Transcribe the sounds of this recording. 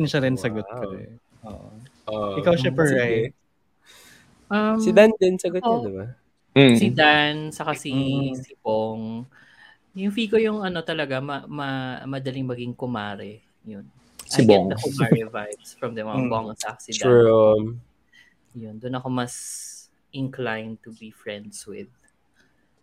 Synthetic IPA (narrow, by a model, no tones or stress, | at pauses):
ɛnʃɐɾɛnsɐɡokɐɛ | ʔoːʔo | oʔɪkawʃɐpɛɹaj̪̚ | ʔɐmsɪd̪and̪ɛnsɐɡotd̪ɪba | sid̪ansɐkasisɪboŋ | jʊŋfiːkojʊŋɐno̞t̪ɐlɐɡamɐmɐmɐd̪ɐlɪŋmɐɡiŋkʊmaːɾɛ | jʊn | ɐibŋd̪ɐkʊmaɹɛvajvsfɹɐmðɛwɐnbɔŋsɐkḁsid̪ɔm | jʊnd̪ʊnɐko̞mɐs | ʔɪnklajnt̪ʊbifɹɛ̃nd̪swɪð